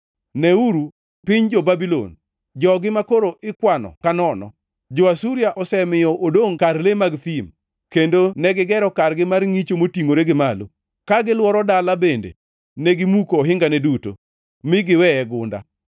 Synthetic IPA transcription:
nɛuɾu | pɪɲd͡ʒobabilo̰n | d͡ʒɔɡɪmakoɾoʔɪkwanɔ̰kanɔnɔ̰ | d͡ʒoasuɾiaʔɔsɛmɪjɔʔodoŋkarlemaɡt̪im | kendonɛɡɪɡɛɾɔkaɾɡɪmarŋit͡ʃomotiŋoɾeɡɪmalo | kaɡɪlwɔɾɔdalabendḛ | nɛɡɪmukoːɦɪŋɡanɛduto̰ | mɪɡɪwɛɛɡʊnda̰

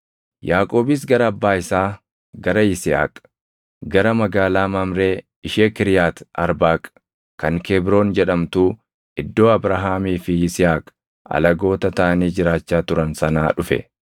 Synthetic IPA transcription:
jaːkʼo̞ːbɪs̬ɡɐɾɐːbːaːɪsaː | ɡɐɾɐɪsɪa̰ːkʼ | ɡɐɾɐmɐɡaːlaːmɐmɾe̞ː | ɪʃeːkɪɾjaːt̪ɐɾbaːkʼ | kːɐŋkɛːbɾo̞ːnd͡ʒɛᶑɐmt̪uː | ɪd̪ːo̞ːɐbɾɐɦaːmiːfɪɪsɪaːkʼ | ɐ̰lɐɡo̞ːt̪ɐt̪ɐʔɐniːd͡ʒɪɾaːt͡ʃːaːt̪ʊɾɐnsɐnaːᶑʊfɛ̰

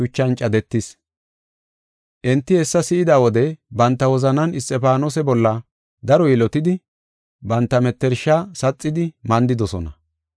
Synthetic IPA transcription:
ʊt͡ʃːɐnt͡ʃʼɐd̪ɛt̪ːɪs | ʔɛnt̪ːɪhɛsːɐsɪʔɪd̪aːwɔd̪ɛbɐnt̪ːɐwɔzɐnɐnʔɪst̪ʼːɛpaːnoːsɛbɔlːɐ | d̪ɐɾɔjɪlɔt̪ɪd̪ɪ | bɐnt̪ːɐmɛt̪ːɛɾʃasɐt͡sʼːɪd̪ɪmɐnd̪ɪd̪ɔsɔnɐ̰

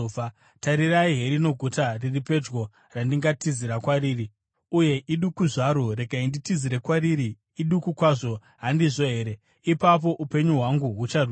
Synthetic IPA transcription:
taɾiraiɦe̞ɾino̞ɡʱutariripe̞d͡ʒɡo̞ | randiŋɡatiziɾakwaɾiːri | uje̞ʔiɗukuʐaɾoɾe̞ɡʱainditiziɾe̞kwaɾiɾiː | ɗukukwaʐo̞ | ɦandiʐo̞ɦe̞ːɾe | ipap̬o̞ʔupe̞ɲuɦwaŋɡuɦut͡ʃarw

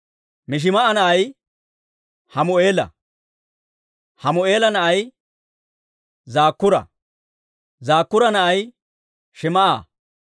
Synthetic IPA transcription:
mɪʃ̬ɪmɐʔɐnɐʔɐj | hɐmʊʔe̞ːlɐ̰ | hɐmʊe̞ːlɐnɐʔɐj | zaːkːʊɾɐ̰ | zaːkːʊɾɐnɐʔɐj | ʃɪmɐʔa̰ː

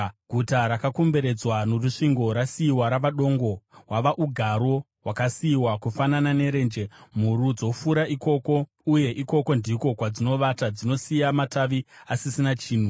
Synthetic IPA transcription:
ɡʱutaɾakakombe̞ɾe̞d͡zwanoruʂiŋɡo̞ɾasiːwaɾaʋaɗo̞ŋɡo̞waʋaʔuɡʱaɾo̞ | wakasiːwakufananane̞ɾe̞ːnd͡ʒe̞m̤uɾud͡zo̞fuɾaʔiko̞ko̞ | uje̞ʔiko̞ko̞ndiko̞kwad͡zino̞ʋatad͡zino̞sijamataʋiasisinat͡ʃiːn̤u

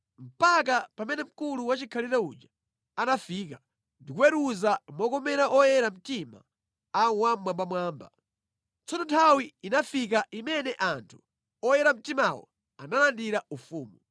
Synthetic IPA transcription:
m̩pak̬apamɛnɛm̩kuluwat͡ʃikʰalitaṵd͡ʒa | anafiːka | ndikuwɛɾuzamɔkɔmɛɾaʔɔjɛɾam̩tima̰ | awamwambamwaːmba̰ | t͡sɔnɔtʰawiːnafik̬aʔimɛnɛʔantʰu̥ | ɔjɛɾam̩timawɔ̰ | analandiɾaufuːmu

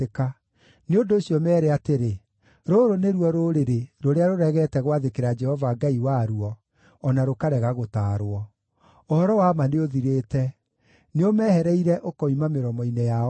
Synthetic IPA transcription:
eka | neondoːɕiɔmɛːɾeateɾe | ɾoɾoneɾwɔɾoɾeɾeɾoɾeaɾoɾɛɣɛtɛɣwaðekeɾad͡ʒɛhɔvaɡaiwaɾuɔː | naɾokaɾɛɣaɣotaːɾwɔ | ohɔɾɔwamaneoðiɾeːtɛ | neomɛːhɛɾɛiɾɛʔokɔimameɾɔmɔineja

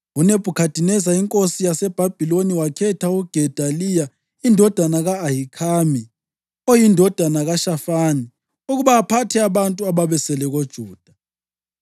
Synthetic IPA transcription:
uneb̥ʱukʰad̥ʱinɛzaiŋkʼosijasɛb̥ʱab̥ʱiloniwakʰɛtʰauɡ̥ʱɛd̥ʱalija | indʱɔd̥ʱanaɣaːhikʰaːmi | ojindʱɔd̥ʱanaɣaʃafaːni | uɣuβaːpʰatʰɛaβantʼuaβaβɛsɛlɛɣod̥ʒ̥ʱuːd̥ʱḁ

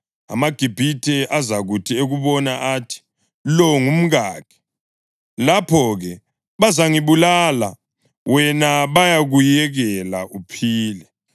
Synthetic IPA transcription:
a̰maɡ̥ʱib̥ʱitʰʼɛʔazaɣutʰieɣuβɔnaʔaːtʰi̥ | lɔŋum̩ɣaːkʰɛ̥ | lapʰɔɣɛ | βazaŋiβulala̰ | wɛnaβajaɣujɛɣɛla̰ʔupʰiːlɛ

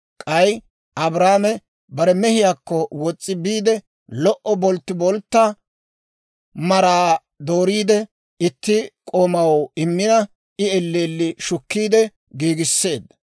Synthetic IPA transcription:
kʼɐj | ɐbɾaːmɛ | bɐɾɛmɛhɪjaːkːɔwɔt͡sʼːɪbiːd̪ɛ | lɔʔɔbɔlt̪ːɪbɔlt̪ːa | mɐɾaː | d̪o̞ːɾiːd̪ɛ | ɪt̪ːɪkʼoːmɐwɪmːɪnɐ | ʔɪɛlːeːlːɪʃʊkːiːd̪ɛ | ɡiːɡɪsːe̞ːd̪ːɐ

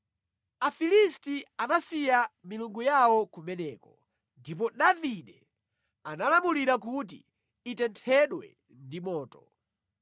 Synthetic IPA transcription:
afilistianasijamiluŋɡujawɔkumɛnɛːkɔ | ndip̬ɔɗaviɗɛ | analamuliɾakut̬ḭː | tɛntʰɛɗwɛ̰ | ndimɔːtɔ

